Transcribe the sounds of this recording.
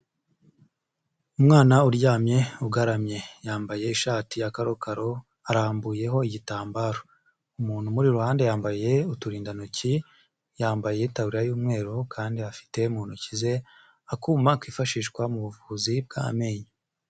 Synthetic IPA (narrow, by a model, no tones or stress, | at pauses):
umŋaːnauɾɟaːmɲe̞uɡaɾamɲe̞jaːmbaje̞iʃaːtijakaɾo̞kaɾo̞ | aɾaːmbuje̞ɦo̞iɟitaːmbaːɾo | umuːn̥humuɾiɾuhaːnde̞jaːmbaje̞utuɾiːndanuci | jaːmbaje̞tawuɾiɾajuːmŋe̞ːɾokʰaːndiafi̥te̞umuːn̥hucize̞ | akuːmakwiːfaʃiːʃkwamuβuvuːzib̚ɡa̰me̞ːɲa